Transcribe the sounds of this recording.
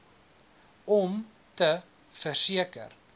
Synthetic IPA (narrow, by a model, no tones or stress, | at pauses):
ɔm | tə | fərsiəkə̰r